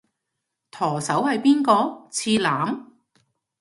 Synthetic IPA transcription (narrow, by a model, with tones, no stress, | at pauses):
t̪ʰɔː˨˩sɐ˨˥whɐ˨jpiː˥nkɔː˧t͡sʰiː˧laː˨˥m